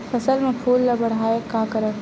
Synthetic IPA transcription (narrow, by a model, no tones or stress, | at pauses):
pɐsəlmẽpʰuːlːɐbɐɽ̤ɦaːekaːkəɾə